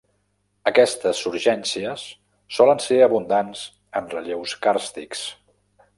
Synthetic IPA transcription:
əkɛst̪əsːuɾʒɛnsiəsː | ɔlənseəβund̪anz | ənrəʎewskaɾst̪iks

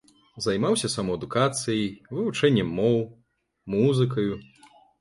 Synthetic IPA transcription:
zajmawsʲɐsamɔɐd̪ukat̪sɨjɐjvɨvut͡ʂɛnʲːɛmːɔw | muzɨkɐju

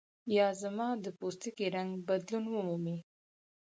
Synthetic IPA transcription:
jɑzamɑd̪əpost̪ikiɾaŋɡbad̪lunwumumi

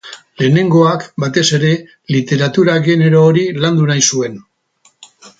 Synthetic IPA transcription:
le̞ne̞ŋɡo̞akbat̪e̞se̞ɾe̞ | lit̪e̞ɾat̪uɾaɣe̞ne̞ɾoːɾiland̪unajsue̞n

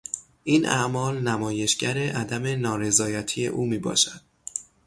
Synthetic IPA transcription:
ʔinʔæ̰ʔmɒːlnæmɒːje̞ʃɟæɾe̞ʔæd̪æme̞nɒːɾe̞zɒːjæt̪ʰijḛʔuːmiːbɒ̰ːʃæd̪̥

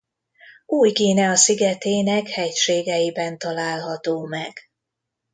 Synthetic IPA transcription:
uːjɡeːnɛɒsiɡɛt̪eːnɛkhɛcʃeːɡɛjibɛnt̪ɒlaːlɦɒt̪oːmɛɡ̥

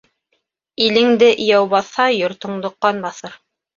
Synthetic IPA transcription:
ilɘ̆ŋd̪ɘʔjɑwbɑθhɑjŏɾt̪ɤ̆ɴd̪ŏqːɑnbɑθɤɾ

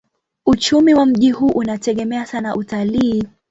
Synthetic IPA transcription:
ut͡ʃumiwam̩ʄiɦuːʔunatɛɠɛmɛasanaʔutaliː

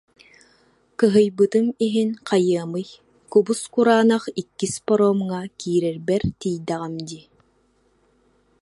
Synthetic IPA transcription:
kɯɦɯjbɯt̪ɯmiɦinqajɯɐmɯj | kubuskuɾaːnaχikːispɔɾɔːmɯŋakiːɾɛɾbɛɾt̪ijd̪ɛʁɛmd̪i

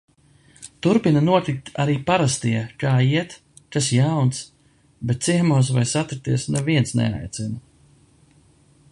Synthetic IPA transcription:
t̪uɾpinanuɔt̪ik̚t̪aɾiːpaɾast̪iɛkaːiɛt̪ | kasjawns | bɛt̪̚t̪siɛmuɔs̬vajsat̪ɾit̪iɛsnɛviɛnsnɛ̰a̰jt̪sinu

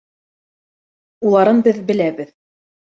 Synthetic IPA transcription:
ulˠɑɾɤnbɘðbɘ̆læβɘð

